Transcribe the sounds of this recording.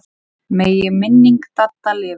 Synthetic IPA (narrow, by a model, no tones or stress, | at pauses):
meːjɪmɪnːiŋkt̪at̪ːalɪː